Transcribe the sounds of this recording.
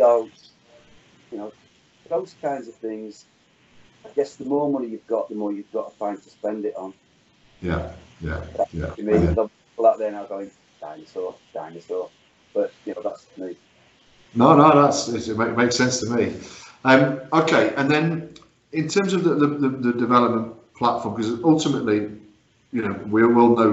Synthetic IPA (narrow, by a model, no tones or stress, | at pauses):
o | jənoʊ | ðoʊz̥kʰãɪ̃ndzəv̥θɪ̃ŋz̥ | aɪɡɛsðəmɔːmʌnijɨvɡɒʔðəmɔːjɨvɡɒʔəfʰãɪ̃ntʰəspɛ̃ndɪʔn̩ | jæ̰jæ̰akjæ̰ə̃nmiðə | pl̩ˠaʔ̚ðənaʊɡoʊɪ̃ŋ | d̥aɪɪ̃ŋəsɔːd̥aɪɪ̃ŋəsɔː | b̥ʌʔjənoʊðatsʰəmi | noʊnoʊðatsɪtɪʔ̚meɪmeɪksɛ̃nstʰəmiʌ̃moʊkʰeɪʔə̃nðə̃n | ɪ̃ntʰɜ̃ːmzəvðəðəðəðədɪvɛləp̚mə̃npʰl̥atfɔːmkʰʌzʌlˠtɪməʔli | jɨnoʊwiɔwɪlˠnoʊ